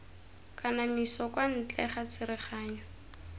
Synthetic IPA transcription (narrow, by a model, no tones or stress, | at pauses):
kʼanamisɔkʼwan̩t͡ɬʼɛ̰χat͡sɪɾɪχaːɲɔ